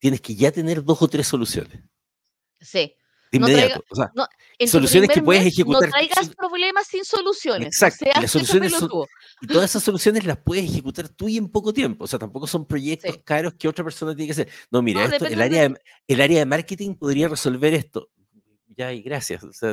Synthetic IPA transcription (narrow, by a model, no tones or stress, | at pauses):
t̪jeneskeʝat̪ene̞ɾðo̞sot̪ɾesːo̞lusjo̰nes | si | d̪immeðjaoosea̰n | solusjo̞nekepweðesexekut̪aɾɾajɣapɾoβlemasːinsolusjoneeksak̚t̪oilasːolusjoneso | it̪oðasesasːo̞lusjo̞nezlapweðesexekut̪aɾt̪uie̞mpokot̪je̞mpoːse̞at̪ampo̞koso̞mpɾo̞ʝek̚t̪oskaɾoskeo̞tɾapeɾso̞nat̪jenekas̬eɾno̞miɾaeoelaɾjaðe | elaɾjaðemaɾket̪iŋpoðɾiareso̞lve̞ɾest̪o | ʝaajɣɾasja̰sosea